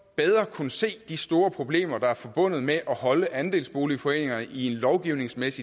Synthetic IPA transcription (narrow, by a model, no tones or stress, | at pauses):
b̥eð̞ˠʁɐkʰunəse̝̰ːd̥isd̥o̝ːɐpʰʁo̝b̥le̝̰ːmɐd̥ɑ̈æɐfɒ̽b̥ɔ̽n̰ð̩ˠmeʔɒ̽hɒ̽ləʔænd̥e̝̰ːlsb̥o̝ːlifɒ̽e̝̰ːne̝ŋɐnəʔie̝nlɒʊɡ̥iʊne̝ŋsmesi